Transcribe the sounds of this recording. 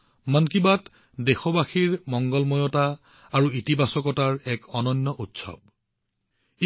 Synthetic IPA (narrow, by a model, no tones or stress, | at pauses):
mankibat | dexɔbaxiɹmɔŋɡɔlmɔjɔta | aɹuitibʱasɔkɔtaɹɛkɔnɔnːɔʔutsɔ̰b̚ | i